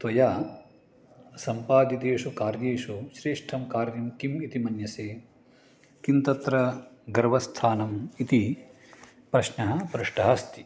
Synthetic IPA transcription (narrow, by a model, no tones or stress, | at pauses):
t̪ʋɐjaː | sɐmpaːd̪it̪eːʂukaːɾjeːʂuʃɾeːʂʈʰɐmkaːɾjɐmkimit̪imɐnjɐseː | kint̪ɐt̪ɾɐɡɐɾʋɐst̪ʰaːnɐmit̪i | pɾɐʃnɐɦɐ̆pɾuʂʈʰɐɦɐst̪ʰi̥